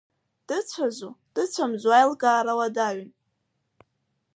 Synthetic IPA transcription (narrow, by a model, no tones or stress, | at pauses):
d̥ɨt͡sʷʰazud̥ɨt͡sʷʰamzʷuajlɡaːɾawadaɥn